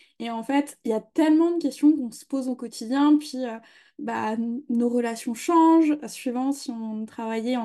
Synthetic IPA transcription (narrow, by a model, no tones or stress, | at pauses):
eɑ̃fɛt̪iljat̪ɛlmɑ̃d̪əkʲɛst̪jɔ̃kɔ̃sə̥pozokɔt̪ʰid̪jɛ̃pɥiø | banoʁəlasjɔ̃ʃɑ̃ʒsɥivɑ̃siɔ̃t̪χavajɛɑ̃